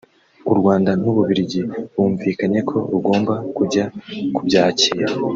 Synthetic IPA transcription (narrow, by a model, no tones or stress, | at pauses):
uɾɡwaːndan̥uβuβiɾiɟiβuːɱviːkaɲe̞kʰo̞ɾuɡo̞ːmbakuɟakubɟaːciːɾa